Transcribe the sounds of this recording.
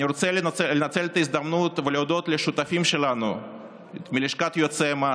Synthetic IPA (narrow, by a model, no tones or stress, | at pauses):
iɾot̪sɛlnelenat̪selt̪aizd̪amnut̪veleod̪ot̪leʃut̪afimʃelanṵ | miliʃkat̪jot̪sema